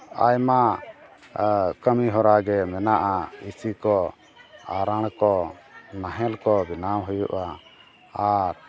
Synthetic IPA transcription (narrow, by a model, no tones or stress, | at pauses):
a̰jma | kəmiɦɔɾaɡɛmɛnaʔaisikɔ | aɾaɳ̃kɔnaɦɛlkɔbinamɦujṵʔaː | ɾ